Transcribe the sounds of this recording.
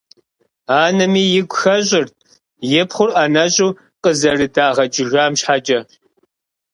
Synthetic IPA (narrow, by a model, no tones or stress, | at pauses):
aːnɐmiːjɪɡʷxɐɕʼɪrt̚ | jɛpχʷʊraːnɐɕʼuː | qəzɐrɨdaːʁɐt͡ʃʼɪɣaːmɕħat͡ʃʼɐ